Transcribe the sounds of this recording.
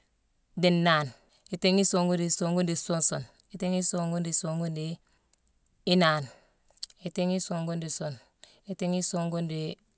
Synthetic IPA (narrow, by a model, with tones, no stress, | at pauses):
di˨nːaː˨n | i˨ti˦ŋi˦so˨ŋɡu˦ndi˨so˨ŋɡu˦ndi˨so˦nso˨n | i˨ti˦ŋi˦so˨ŋɡu˦ndi˨so˨ŋɡu˦ndi˨ | i˦naː˨n | i˨ti˦ŋi˦so˨ŋɡu˦ndi˨so˨n | i˨ti˦ŋi˦so˨ŋɡu˦ndi˨